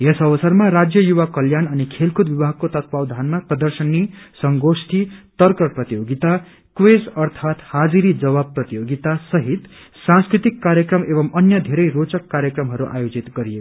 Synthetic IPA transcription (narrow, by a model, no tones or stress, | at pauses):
jesʌβʌsʌrmaɾad͡zjʌjuwakʌljanʌnikʰelkʰud̪bibʱaɡ̚kot̪ʌt̪̚bawd̪ʱanmaprʌd̪ʌrsʌnːisʌŋɡosʈ̪ʰit̪ʌrkʌrprʌt̪ijoɡit̪a | kwesʌrt̪ʰat̪had͡ziɾid͡zʌβabprʌt̪ijoɡit̪asʌɦit̪ | sãnskrit̪ikːaɾjʌkrʌmebʌmʌnjʌd̪ʱeɾʌjrot͡sʌkːaɾjʌkrʌmɦʌɾuʔa̰jod͡zit̪ɡʌɾijeko